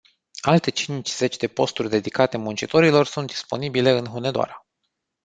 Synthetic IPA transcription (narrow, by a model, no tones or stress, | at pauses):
alt̪e̞t͡ʃint͡ʃʲz̥e̞t͡ʃʲd̪e̞po̞st̪urʲd̪e̞d̪ikat̪e̞munt͡ʃit̪o̞ɾilo̞rsunt̪̚d̪̥i̥spo̞̰nibile̞ɨnɦune̞d̪oa̰ɾə